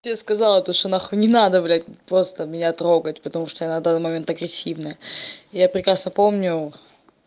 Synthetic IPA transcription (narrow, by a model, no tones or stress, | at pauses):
tʲeskɐzalˠət̪oʂt̪onaxənʲɪnad̪əvlʲæt̚ʲpɾo̞st̪əmʲɪnʲat̪ɾo̞ɡətʲpət̪ɐmuʂt̪ojanɐvd̪anːmɐmʲe̞nt̪ɐɡɾʲɪsʲːivnɨjəɪjapɾʲɪkɾasnəpo̞mnʲʊ